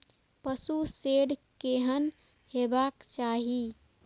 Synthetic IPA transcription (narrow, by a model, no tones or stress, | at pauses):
pəsuseɖkeɦən | hebakt͡ʃaɦi